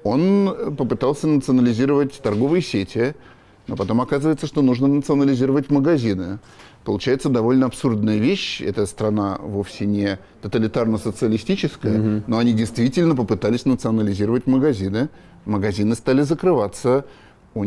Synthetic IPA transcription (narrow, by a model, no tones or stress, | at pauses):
o̞npəpɨt̪alˠsʲənət̪sɨɐnəlʲɪzʲiɾəvətʲt̪ɐrɡo̞vɨjəsʲetʲɪ | no̞pɐt̪o̞mɐkazɨvəjɪt̪səʂt̪o̞nuʐnənət̪sɨɐnəlʲɪzʲiɾəvətʲməɡɐzʲinɨ | pəlˠʊt͡ɕæjɪt̪səd̪ɐvo̞lʲnəɐpsurd̪nəjəvʲeɕɛ̰t̪əst̪ɾɐnavo̞fsʲɪnʲɪ | t̪ət̪əlʲɪt̪arnəsət̪sɨɐlʲɪsʲtʲit͡ɕɪskəjəno̞ɐnʲidʲɪjst̪vʲitʲɪlʲnəp̬əpɨt̪alʲɪsʲnət̪sɨɐnəlʲɪzʲiɾəvətʲməɡɐzʲinɨ | məɡɐzʲinɨst̪alʲɪzəkɾɨvat̪sə | u